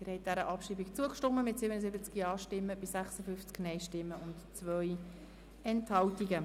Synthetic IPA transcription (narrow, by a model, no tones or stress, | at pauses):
ɪɾhɛɪt̚d̥æɾəʔɑpʃiːbikt͡suəkʃtɔmːəmɪtsibənəzɪbət͡skiɑːʃtɪmːəb̥ɪsæχsəfʏft͡sknɛɪʃtɪmːəʊntt͡svœj | ɛnthɑltiɡə